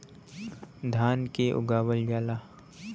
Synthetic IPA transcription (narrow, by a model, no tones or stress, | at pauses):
d̪ʱaːnkeʔʊ̰ɡaːwəld͡ʒaːlaː